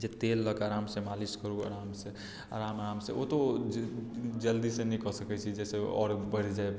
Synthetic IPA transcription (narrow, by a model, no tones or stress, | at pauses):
d͡ʒet̪elːəkaːɾamsẽmaliskəɾua̰ɾamse | a̰ɾamaɾamseʔot̪o | d͡ʒəld̪isẽnɛkɔsəkɛt͡ʃʰid͡ʒɛseɔ̰ːɾbəɽd͡ʒae